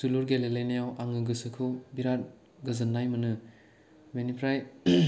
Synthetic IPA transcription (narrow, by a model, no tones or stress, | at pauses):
suluɾɡelelejnejawʔaŋɯɡɯsɯkʰɯwbiɾat̚ | ɡɐzɐnːajmɯnɯ | menipʰɾaj